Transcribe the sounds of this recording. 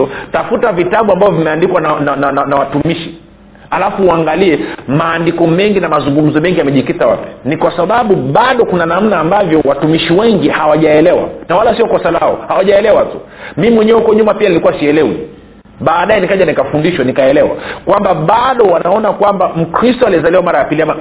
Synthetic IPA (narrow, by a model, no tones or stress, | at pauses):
ɔtafutavitaɓuambavɔvimɛandikwananaananawatumiʃi | alafuːaŋɡaliɛmaːndikɔmɛŋɡinamazuŋɡum̩zɔmɛŋɡijamɛʄikitawa̰pɛ̥nikwasaɓaɓuɓaɗɔkunanam̩naːmbavjɔwatumiʃiwɛŋɡihawaʄaɛlɛwa̰nawalasiɔkɔsalaɔ̰hawaʄaɛlɛwatu | miimwɛɲɛwɛhukɔɲumapianilikuwasiɛlɛwḭ | ɓaːɗajɛnikaʄanikafundiʃwanikaɛlɛwa̰kwambaɓaɗɔwanaɔnakwambam̩kɾistɔaliɛzalɛwamaɾajapiliama